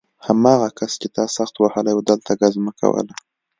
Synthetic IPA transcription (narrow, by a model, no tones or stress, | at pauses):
hamɑɣakast͡ʃet̪ɑsaxt̪wahəlajwd̪əlt̪aɡazmakʰa̰wə̰la